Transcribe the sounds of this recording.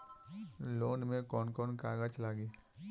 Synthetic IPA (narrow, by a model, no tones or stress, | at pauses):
loːnmẽkɔːnkɔːnkaːɡət͡ʃlaːɡiː